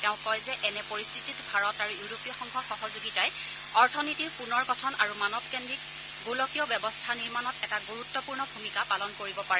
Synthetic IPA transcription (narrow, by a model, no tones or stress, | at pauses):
tɛʊ̃kɔjzɛʔɛnɛpoɹistʰititbʱaɹɔtaɹujuɹopijɔxɔŋkʰɔxɔɦɔzuɡitaj | ɔɹtʰɔnitiɹpunɔɹɡɔtʰɔnaɹumanɔp̚kɛndɹik̚ | ɡulɔkiɔbɛbɔstʰaniɹmanɔtɛtaɡuɹutːɔpuɹnɔbʱumikapalɔnkoɹibɔpaɹɛ